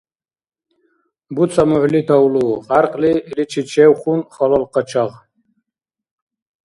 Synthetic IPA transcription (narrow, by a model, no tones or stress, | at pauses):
but͡sʰamuʕlit̪ʰawluʁaɾqʼliːlit͡ʃʰit͡ʃʰɛwχunχɔlɔlqʼət͡ʃʰaʁ